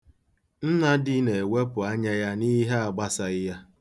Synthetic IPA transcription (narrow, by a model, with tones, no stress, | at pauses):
n̩˦na˦dɪ˦ne˨we˦pʊ˨a˦ɲa˦ja˦ni˦ɦe˦a˨ɡ͡ba˦sa˨ɪ˦ja˦